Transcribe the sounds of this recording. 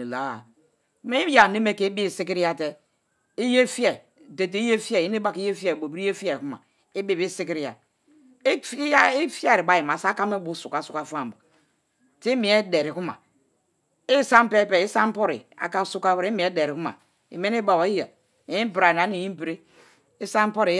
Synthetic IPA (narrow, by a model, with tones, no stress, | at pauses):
la˨˦ | me˦i˦ja˨ne˦me˦ke˦i˦bi˦˨si˦ki˦ɾi˦ja˦te˦ | i˦je˦fi˦e˨ | de˨t̬e˨i˦je˦fi˦e˨ji˦ni˦ba˦ki˦je˦fi˦e˨bo˨bi˦e˦fi˦e˨ku˦ma̰˨ | i˦bi˦˨bi˦si˦ki˦ɾi˦ja˨˦ | i˦fi˦a˦˨ɾi˨ba˨˦ji˨ma˨sa˦ka˦me˦bu˦su˨ka˨su˨˦ka˨˦fa˦˨m˨ba˨ | ti˦mi˨e˦de˨ɾi˨ku˦ma̰˨ | i˦sa˦m˦pe˦˨pe˨i˦sa˦m˦po˦ɾḭ˨a̰˨ka˦su˦ka˦bɾe˦mi˨˦e˦de˨ɾi˨ku˦ma̰˨ | ḭ˨me˦ni˦ba˨wa˨i˦ja˨ | ji˦bi˨ɾa˨a˨˦ni˨ji˦m˦bi˨ɾi˦ | i˦sa˦m˦po˦ɾi˨